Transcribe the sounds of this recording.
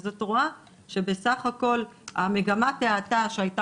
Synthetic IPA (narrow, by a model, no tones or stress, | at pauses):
zotʁua | ʃe̞be̞saχako̞lame̞ɡamateataʃeajta